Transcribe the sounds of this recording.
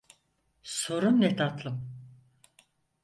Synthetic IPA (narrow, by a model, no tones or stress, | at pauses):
so̞ɾumnet̪ʰat̪lˠɯm